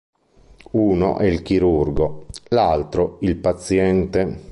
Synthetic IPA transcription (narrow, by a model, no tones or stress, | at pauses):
uːno̰ʔɛilk̟iɾurɡolalt̪ɾoilpat̪sjɛnt̪e